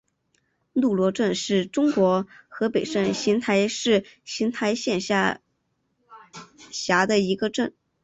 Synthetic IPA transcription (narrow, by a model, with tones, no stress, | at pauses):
lu˥˩lwɔ˧˥ʈ͡ʂə˥˧nʂɻ̩˥˩ʈ͡ʂʊ˥ŋkwɔ˧˥xɤ˧˥pe˨˩ɪʂə˥˩nɕi˧˥nt̪ʰa˧˥ɪʂɻ̩˥˩ɕi˧˥nt̪ʰa˧˥ɪɕjɛ˥˩nɕa˥ | ɕja˧˥d̪ə˧i˧˥ɡə˧ʈ͡ʂə˥˩n